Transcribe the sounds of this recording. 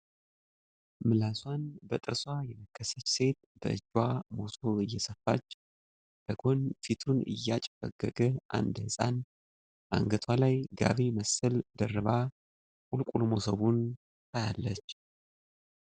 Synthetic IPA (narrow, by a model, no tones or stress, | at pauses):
mɨlaswʷanbət̪ʼɨɾswajɛməkʰːəsət͡ʃːse̞t̪̚ | bə̰ʔɨ̰d͡ʒwamo̞soɨjːɛsəfːat͡ʃː | b̥əɡo̞nfit̪ʰunɨ̰jːat͡ʃʼɪfə̰ɡəɡəʔa̰nd̪hɨsʼa̰n | ʔa̰ŋɡət̪ʰwalajɡa̰βeməsəld̪ərɨβa | kʼulkʼulmo̞səβun | t̪ʰajalːət͡ʃː